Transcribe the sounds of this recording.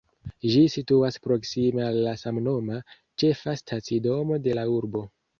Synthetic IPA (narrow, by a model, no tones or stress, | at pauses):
ʒisituaspɾo̞ksime̞alːasamno̞ma | t͡ʃe̞fastʰat͡sido̞mo̞de̞lauɾbo̞